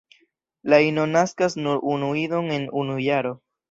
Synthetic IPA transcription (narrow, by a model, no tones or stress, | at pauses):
laino̞naskasnuɾunuido̞ŋe̞nunujaɾo̞